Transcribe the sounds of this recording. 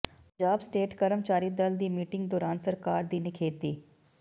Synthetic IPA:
d͡ʒaːbsʈeːʈkəɾəmt͡ʃaːɾiːd̪əld̪iːmiːʈɪ̃ŋɡd̪ɔːɾaːnsəɾkaːɾd̪iːnɪkʰeːt̪iː

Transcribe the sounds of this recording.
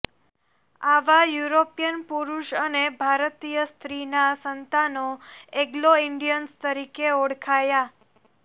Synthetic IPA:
aʋajuɾopijənpuɾuʃənebʱaɾt̪ijəst̪ɾinasənt̪anoeɡloiɳɖijənst̪əɾikeoɽkʰaja

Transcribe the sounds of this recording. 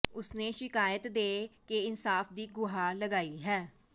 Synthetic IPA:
ʊsneːʃɪkaːjət̪d̪eːkeɪnsaːfd̪iːɡʊɦaːləɡaːiːɦɛː

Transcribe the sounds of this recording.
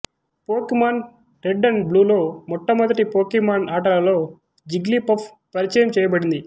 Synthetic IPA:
poːkimaːn | ɾeɖːɐnbluːlo̞ːmɔʈːɐmɐd̪ɐʈipoːkimaːnaːʈɐlɐlo̞ː | d͡ʒiɡlipɐpʰ | pɐɾit͡ʃɐjɐmt͡ʃɛːjɐbɐɽind̪i

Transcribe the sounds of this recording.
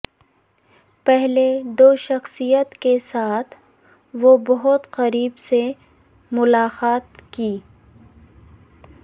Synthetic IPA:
pɛɦled̪oːʃɐxsijət̪kesaːt̪ʰ | ʋobɐɦʊt̪qɐɾiːbse | mʊlaːqaːt̪kiː

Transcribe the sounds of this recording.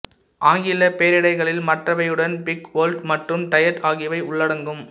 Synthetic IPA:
ʔaːŋɡɪlɐpeːɾɪɽɐɪɣɐɭɪlmɐʈrɐʋɐɪjɯɽɐnpɪkʋoːlɖmɐʈrɯmt̪ɐjɐʈaːɣɪjʋɐɪʊɭːɐɽɐŋɡɯm

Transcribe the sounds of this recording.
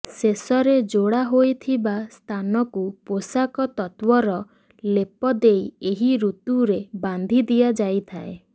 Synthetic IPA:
sesɔɾed͡ʒoɽaɦojt̪ʰibast̪ʰanɔkuposakɔt̪ɔt̪wɔɾɔ | lepɔd̪ejeɦiɾut̪uɾeband̪ʱid̪iad͡ʒajt̪ʰae

